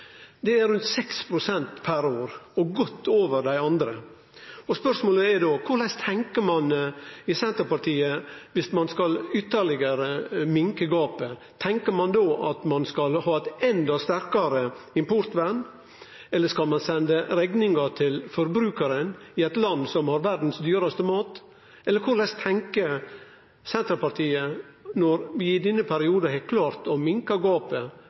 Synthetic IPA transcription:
d̪ɛæɾʉnt̪sɛkspʰɾʊsɛnt̪pʰæɾoːɾɔɡɔt̪ːoːʋəɾɖ̪æɪɑnd̪ɾə | ɔspœʂmoːləɛɾd̪oːkʰʊɾɭæɪst̪ʰɛŋkəɾmɑnɪsɛnt̪əɾpɑʈʰiːəʋɪsmɑnskɑlʏt̪ːəɾɭɪɡəɾəmɪŋkəɡɑːpə | t̪ʰɛŋkəɾmɑnd̪oːʔɑt̪mɑnskɑlhɑːɛt̪ɛnd̪ɑst̪æɾkɑɾəɪmpʊɾt̪ʋæn | ɛlːəskɑlmɑnsɛnd̪əɾɛɡnɪŋɑt̪ʰɪlfɔɾbɾʉːkəɾənɪɛɪt̪lɑnd̪sɔmhɑɾʋæɾɖn̩sd̪yːɾɑst̪əmɑːt̪ | ʔɛlːəɾkʰʊɾɭɛst̪ʰːɛŋkə | sɛnt̪ɾəpɑɾt̪ʰiːə | nɔɾʋɪɪd̪ɛnːəpʰæɾɪuːd̪ɑhɛkʰlɑːɾt̪ɔmɪŋkɑɡɑːpə

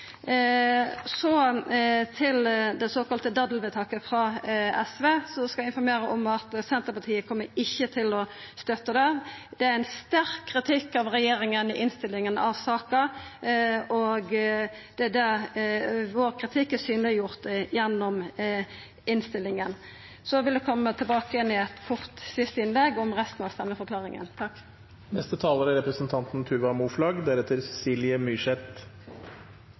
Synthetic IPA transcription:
sɔ | t̪ʰɪld̪ɛsoːkɑlt̪əd̪ɑd̪lʋɛt̪ʰɑkəfɾɑɛsʋeːsɔskɑæɪnfɔɾmeːɾəʔɔmɑt̪sɛnt̪əɾpɑt̪ʰiːəkʰɔmːəɾɪçːət̪ʰɪlɔst̪œt̪ːəd̪ɛd̪ɛæɛnst̪æɾkʰːʁɪt̪ʰɪkːɑʋʁɛjeːɾɪŋənɪʔɪnst̪ɪlːɪŋənɑ̰ʋsɑːkə | ɔɡd̪̥ɛd̪æ | ʋoːʁkʰʁɪt̪ʰɪkːæsyːnlɪjʊʁt̪jɛnːɔm | ɪnst̪ɪlːɪŋən | sɔʋɪld̪ɛkʰɔmːət̪ʰɪlbɑːkəɛnɪɛt̪kʰɔʁt̪sɪst̪əɪnlɛɡɔmɾɛst̪nɑʋst̪ɛmːəfɔɾkʰlɑːʁɪŋə̰nt̪ʰɑkː | nɛst̪ət̪ʰɑːləɾæɾɛpɾəsnt̪ʰɑnt̪nt̪ʰʉʋɑmuːflɑɡd̪æɾɛt̪ʰːəɾsɛsiːlɪəmyʃɛt̪

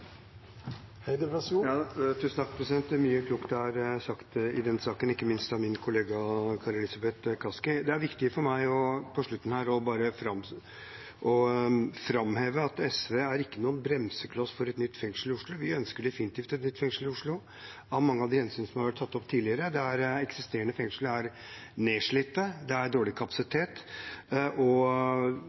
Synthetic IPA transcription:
jɑːt̪ʰʉsənt̪ɑkːpʰɾɛsɪd̪ɛnt̪myːəkʰluːkt̪æɾsɑkt̪ɪd̪ɛnsɑːkənɪkːəmɪnst̪ɑmɪnkʰʊleːɡɑkʰɑɾɛlɪsɑbɛt̪kʰɑskɪd̪ɛæɾʋɪkt̪ɪəfɔɾmæɪɔpʰɔʂɭʉt̪ːn̩hæːɾɔbɑːɾəfɾɑm | ʔɔfɾɑmheːʋəɑt̪ɛsʋeæɾɪkːənuːənbɾɛmsəkʰlɑsfɔɾɛt̪nʏt̪ːfɛŋʂəlɪʊʂɭʊʋɪœnskəɖɛfɪnɪt̪iːft̪ɛt̪nʏt̪ːfɛŋʂəl̩ɪʊʂɭʊ | ɑmɑŋːəɑʋd̪ɪhɛnsyːnəsɔmhɑɾʋæʈ̚t̪ʰɑt̪ːɔpt̪ʰiːlɪəɾəd̪ɛæɾɛksɪst̪eːəɳəfɛŋʂləæɾ | neːʂɭɪp̪ːəd̪ɛæɾɖoːɭɪkʰɑpɑsɪt̪ʰeːt̪ | ʔɔ

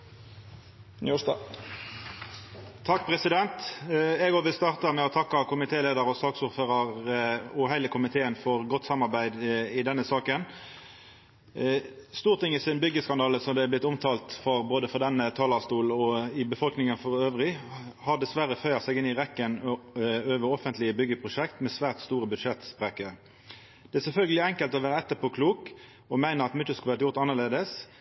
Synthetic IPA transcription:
nuːɑ | t̪ʰːɑkːpʰʁɛsɪd̪ɛnt̪ɛɡɔʋɪst̪ɑːʁt̪ɑmɛɔt̪ʰɑkːɑkʰʊmɪt̪ʰeːleːd̪əʁɔsɑːksʊʁføːʁɑʁuɦɛɪləkʰʊmɪt̪ʰeːənfɔʁɡɔt̪ːsɑmɑʁbæɪd̪ɪd̪ɛnːəsɑːkən | st̪uːʁt̪ʰɪŋːɪsɪnbʏɡːəskɑnd̪ɑːləsɔmd̪ɛɛblɪt̪ːʊmt̪ʰɑːlt̪fɔʁboːd̪əfɔd̪ɛnət̪ʰɑːlɑst̪uːlɔɪbəfɔlknɪŋənfɔʁøːʋʁɪhɑʁd̪ɛsʋæɾəfœʏɑsɛɡɪnːɪʁɛkːən | øːʋəɾɔfənt̪lɪəbʏɡːəpʰʁʊʃɛkt̪mɛsʋæːʁt̪st̪uːʁəbʉd̪ʂɛt̪spʁɛkəɾ | d̪̥ɛæsɛlfœlɡəlɪɛŋkəlt̪ɔʋæːʁəɛt̪ːəpʰokʰluːk | ɔmæɪnəɑt̪mʏt̪ːəskʉlʋæːʁt̪jʊɾʁt̪ɑnːəʁleːd̪əs

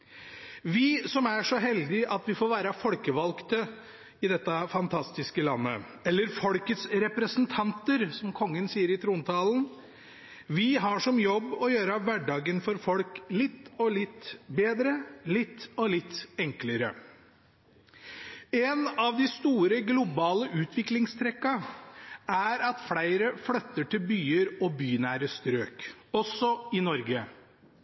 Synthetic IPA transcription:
ʋɪsɔmæʂɔɦɛld̪ɪʔɑt̪ʋɪfoːʋæːɾəfɔlkəʋɑlkt̪ə | ɪd̪ɛt̪ːəfɑnt̪ʰɑst̪ɪskəlɑnːə̰ | ɛlːəɾfɔlkət̪sɾɛpɾəsnt̪ʰɑnt̪əɾsɔmkʰɔŋːənsiːəɾɪt̪ʰɾuːnt̪ʰɑːln̩ | ʋɪɦɑʂɔmjɔbːɔjøːɾəʋæɖɑːɡənfɔɾfɔlklɪt̪ːɔlɪt̪ːbeːd̪ɾəlɪt̪ːɔlɪt̪ːɛŋkləɾə̰ | ɛnɑʋd̪ɪst̪uːɾəɡlʊbɑːləʔʉːt̪ʰʋɪklɪŋst̪ʰɾɛkːɑ | æɾɑt̪flæɪɾəflœt̪ːəʈʰɪlbyːəɾɔbyːnæːɾəst̪ɾøːkɔsːɔɪnɔɾɡə

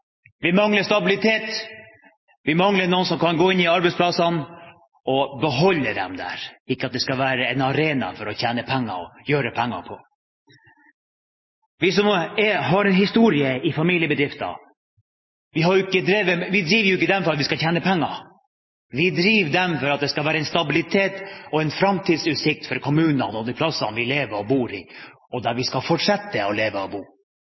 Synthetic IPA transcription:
ʋɪmɑŋləʂt̪ɑbɪlɪt̪ʰeːt̪ | ʋɪmɑŋlənuːənsɔmkʰɑnɡoːɪnːɪɑɾbɛɪtsplɑsɑn | ɔbəɦɔlːəd̪ɛ̰md̪æ̰ːɾɪkːəɑt̪̚d̪ɛskɑʋæːɾəɛnɑɾeːnɑ̰fɔɾɔçæːnəpʰɛŋːɑ̰ɔjøːɾəpʰɛŋːɑ̰pʰɔ | ʋɪsɔmɛɦɑɾɛnɦɪst̪uːɾɪəɪfɑmiːlɪəbəd̪ɾɪft̪ɑ̰ | ʋɪɦɑɾjʊɪkːəd̪ɾeːʋəʋɪd̪ɾiːʋəɾjʊɪkːəɪd̪ɛmfɔɾɑt̪ʋɪskɑçʰeːnəpʰɛŋːɑ | ʋɪd̪ɾiːʋd̪ɛmfɔɾɑt̪̚d̪ɛskɑlʋæːɾəɛnst̪ɑbɪlɪt̪ʰeːt̪ɔɛnfɾɑmt̪ʰiːd̪sʉːt̪sɪk̚t̪fɔɾkʰɔmʉːnənɔd̪ɪpʰlɑsɑnʋɪleːʋəɾɔbuːɾɪ̰ | ɔd̪æɾʋɪskɑfɔʈʂɛt̪ːəɔleːʋəɔbuː

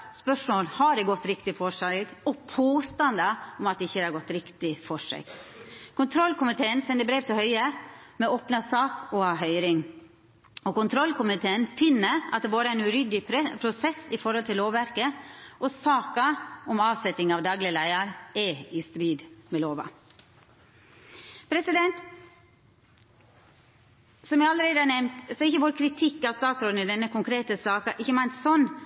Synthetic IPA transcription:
spœʂmoːlhɑɖɛɡɔt̪ːɾɪkt̪ɪfɔʂɑɡɔpʰoːst̪ɑnd̪ɑɔmɑt̪d̪ɛɪçːəd̪ɛhæɑɾɡɔt̪ːɾɪkt̪ɪfɔʂḛɡkʰʊnt̪ʰɾɔlkʰʊmɪt̪ʰeːənsɛnd̪əbɾeːpt̪ɪlhœʏəmɛoːpnɑsɑːkɔɑɦœʏɾɪŋ | ɔkʊnt̪ʰɾɔlkʰʊmɪt̪ʰeːənfɪnːəɾɑt̪̚d̪ɛboːɾəæɪnʉɾʏd̪ɪɾpʰɾʊsɛsɪfɔɾhɔlt̪ʰɪlːoːʋʋæɾkəʔɔsɑːkɑɔmɑːʋsɛt̪ːɪŋɑʋd̪ɑːɡlɪəlæɪəɾɛɪst̪ɾiːd̪mɛloːʋɑ̰ | pʰɾɛsɪd̪ɛnt̪ | sɔmjæɪɑləɾeɪd̪əɑnɛmt̪sɔɪçːəʋoːɾkʰɾɪt̪ʰɪkːɑt̪st̪ɑːt̪sɾɔd̪nɪd̪ɛnːəkʰʊŋkʰɾeːt̪əsɑːkɑʔɪçːəmæɪnt̪sɔnː

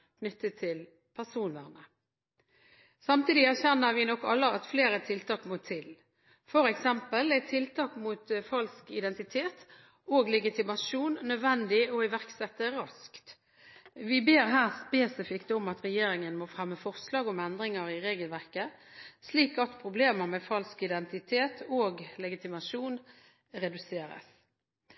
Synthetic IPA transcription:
kʰnʏt̪ːət̪ʰːɪl | pʰæʁsuːnʋæʁnə | sɑmt̪iːd̪ɪæʁçɛnːəɾʋɪnɔkːɑ̰lːəɑt̪fleːɾɛt̪ʰɪlt̪ʰɑːkmʊt̪ʰːɪl | fɔɾɛksɛmpəlɛt̪ʰɪlt̪ʰɑːkmut̪fɑlskɪd̪ɛnt̪ɪt̪ʰeːt̪ | oːɡlɛɡɪt̪ɪmɑʃuːnːœd̪ʋɛnd̪ɪɔɪʋæʁksɛt̪ːəɾɑskt̪ | ʋɪbeːɾɦæːʁspeːsɪfɪkt̪ɔmɑt̪ɾɛjeːɾɪŋənmoːfʁɛmːəfɔʁslɑːɡɔmɛnd̪ɾɪŋəɾɪʁeːɡəlʋæʁkəsliːkɑt̪pʰɾʊbleːməʁmɛfɑlskɪd̪ɛnt̪ɪt̪ʰeːt̪ʰoːɡlɛɡɪt̪ɪmɑʃuːn | ɾɛd̪ʉseːɾə̰s

